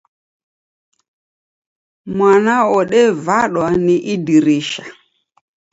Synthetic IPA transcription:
mwanaɔɗɛvaɗwaniʔidiɾiːʃa

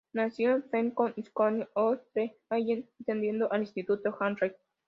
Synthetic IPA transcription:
nasjonseŋkoniskʷaniot̪eajennt̪end̪jend̪oʔalĩst̪it̪ut̪oxanrej

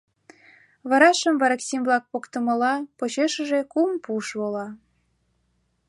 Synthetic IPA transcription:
βɑɾɑʃəmvɑɾɑksʲimblɑk̚pokt̪ə̆mə̆lɑpot͡ɕeʃə̆ʒekumpuʃβolɑ

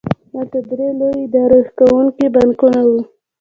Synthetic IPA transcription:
lalt̪ad̪ɾelowid̪ɑɾexkawuŋkibankunawu

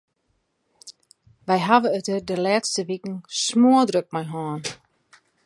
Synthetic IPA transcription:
ʋɛjɦaʋəøtərdəlɛːtstəʋikŋ̩smuədrøk̚majɦaːn

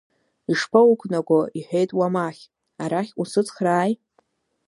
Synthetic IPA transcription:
iʂpʰawukʷʰʼnaɡʷoiħʷᶣejtʼwamaχʲ | aɾaχʲusɨt͡sʰʼχraːj

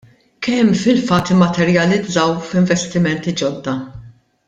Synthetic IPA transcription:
kɛmːfɪlfɐt̪ːɪmːɐt̪ɛɾjɐlɪd͡zɐwfɪɱvɛst̪ɪmɛnt̪id͡ʒɔd̪ːɐ

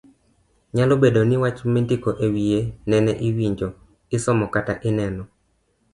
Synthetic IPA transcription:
ɲalobedonɪwat͡ʃmindɪkoʔewienɛnɛʔiwiɲd͡ʒo | ɪsɔmɔkataʔɪnɛnɔ

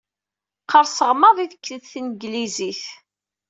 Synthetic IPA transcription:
qːəɾˤsəʁməðˤiθəkːiðθnəɡliziθ

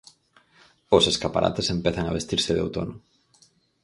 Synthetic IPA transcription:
oseskapa̰ɾʔa̰t̪esempeθaŋaβest̪iɾsɪðḛwt̪o̰nʊ

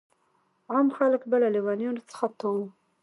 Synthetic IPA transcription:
amxaləkbəlaliwɑnjunot͡sə̥xat̪om

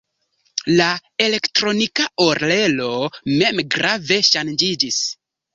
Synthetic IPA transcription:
lae̞le̞ktɾo̞nikaoɾle̞lo̞me̞mɡɾave̞ʃand͡ʒid͡ʒis

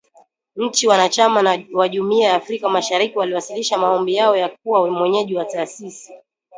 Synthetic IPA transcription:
ɲ̩t͡ʃiwanat͡ʃamanwaʄumiajaːfɾikamaʃaɾikiwaliwasiliʃamaɔmbijaɔjak̚uwamwɛɲɛʄiwataːsisi

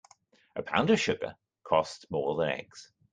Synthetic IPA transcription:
ʔəpʰã̰ʊ̃ndə̥ʃʊɡə̰˞ | kʰɔstmɔːɹðə̃nɛ̰ɡz̥

